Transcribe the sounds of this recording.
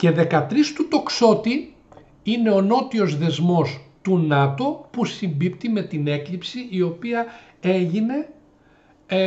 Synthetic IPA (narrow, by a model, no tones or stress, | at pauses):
ce̞ðe̞kɐt̪ɾist̪ut̪o̞kso̞t̪i | ine̞o̞no̞t̪io̞zðe̞zmo̞st̪unɐt̪o̞pusimbipt̪ime̞t̪ine̞klipsiio̞piɐ | e̞ʝine̞